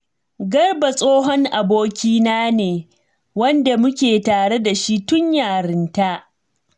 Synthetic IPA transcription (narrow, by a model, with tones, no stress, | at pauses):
ɡɐ˦rba˨sʼoː˦ɦɔ˦ŋʔa˨boː˦kʲiː˦naː˦neː˨ | wɐ˦nda˨mʊ˦kʲeː˨taː˨ɽe˦da˨ʃi˦tʊ˦ɲjaː˨ɾɪ˦nta˦ʔ